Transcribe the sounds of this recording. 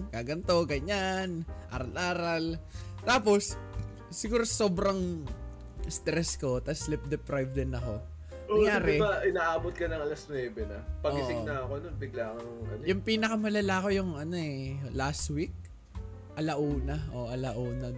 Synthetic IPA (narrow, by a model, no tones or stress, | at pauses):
kaːɡɐnt̪o̞ɡɐɲanʔaːɾɐlʔaːɾɐlt̪aːpo̞sː | ɪɡuːɾoso̞ːbɾɐŋ | st̪ɾɛsko̞t̪ɐslɪp̚d̪ɛpɾajvd̪ɛnɐko̞ | oɐŋjaːɾɛbaʔɪnaːʔaːbot̪̚kɐnɐŋɐlɐsnwɛːbɛnɐpɐoɡɪʔsɪɡnɐɐkononbɪɡlaːŋɐʊɐ̰njʊŋpiːnɐkɐmɐlɐlaːɐko̞jʊŋʔɐno̞ʔɛlast̪wik̚ | ʔɐlɐʔuːnɐʔoʔɐlɐʔuːnɐ